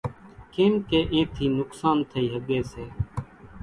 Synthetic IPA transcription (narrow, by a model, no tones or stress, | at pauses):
keːmkeːʔẽːt̪ʰiːnʊksaːnt̪ʰəiːɦəɡeːseː